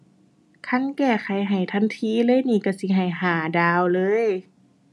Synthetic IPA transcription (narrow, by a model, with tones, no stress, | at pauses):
kʰa˧˥˨nkɛː˧˩kʰa˨˩jɦa˨˩jt̪ʰa˧˥˨nt̪ʰiː˧˨lɤː˧˥˨jniː˧˩ka˧˩si˧˦ɦa˨˩jɦaː˨˩daː˧wlɤː˧˥˨j